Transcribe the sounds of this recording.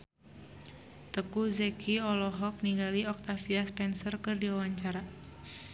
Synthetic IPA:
t̪əkuzɛkʰiɔlɔɦɔk̚niŋɡaliɔk̚t̪afiaspɛnsərkɨrdiwawaɲt͡ʃaɾa

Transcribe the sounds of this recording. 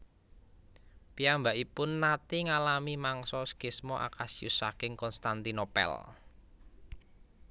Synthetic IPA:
piambaʔipʊnːat̪iŋalamimaŋsɔskɪsmɔʔa̰kasiṵsakɪŋkɔnst̪ant̪inopɛ̰l

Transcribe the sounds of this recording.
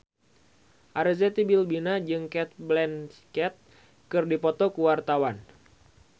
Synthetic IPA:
ʔaɾəzɛt̪ibilbinad͡ʒɨŋkɛt̪̚blɛnskɛt̪̚ | kɨrdipɔt̪ɔkuwart̪awan

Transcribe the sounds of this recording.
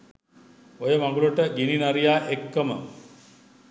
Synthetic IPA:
ojəmãŋɡuləʈəɡininaɾijaːʔekːəmə

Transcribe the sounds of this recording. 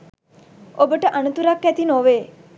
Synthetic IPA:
obəʈəʔanut̪uɾakːɛt̪inoʋeː

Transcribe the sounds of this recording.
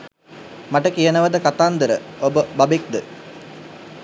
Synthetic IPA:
mɐʈəkijənəʋəd̪əkat̪aːnd̪əɾəobəbɐbik̚d̪ə

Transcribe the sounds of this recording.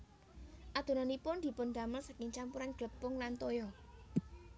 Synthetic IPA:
ʔad̪̥o̤nanipʊnd̪̥i̤pʊnd̪aməlsakɪŋt͡ʃampuɾanɡ̥ləpːʊŋlant̪ojɔ

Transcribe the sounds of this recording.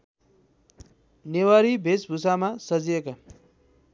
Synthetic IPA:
newaɾibʱesbʱusamasʌd͡zieka

